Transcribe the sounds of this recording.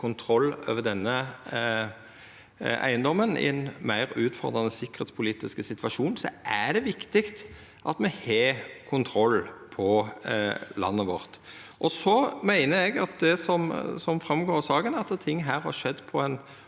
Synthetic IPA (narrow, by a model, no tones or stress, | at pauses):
kʰʊnt̪ʰɾɔlːø̰ːʋəd̪ɛnːə | æ̰ɪənd̪ɔmːənɪ̰ɪnmæɪɾʉːt̪fɔ̰ɾd̪ɾʁɑnəsɪkːəɾeːt̪spʰʊliːt̪ɪskəsɪt̪ʋɑʂuːnsɔ̰ʔæɖ̪ɛʋɪkt̪ɪkt̪ | ʔɑt̪mɛheːkʰʊnt̪ʰɾɔlːpʰɔ | lɑ̰nːəʋɔɾt̪ʔɔsɔmæɪnəɾɛɡɑt̪̚d̪ɛsɔmsɔmfɾɑmɡoːɾsɑːɡənɛt̪ːət̪ʰɪŋːɦæːɾhɑʂɛd̪ːpʰɔæn